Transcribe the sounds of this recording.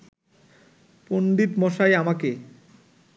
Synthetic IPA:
ponɖ̪it̪mɔʃajamake

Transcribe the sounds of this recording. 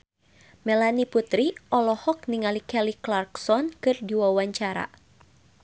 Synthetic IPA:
mɛlaniput̪ɾiʔɔlɔhɔk̚niŋalikɛliklarksɔnkɨrdiwawaɲt͡ʃaɾa̰

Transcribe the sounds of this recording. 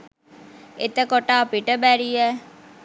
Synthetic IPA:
et̪əkoʈaːpiʈəbæɾijɛ

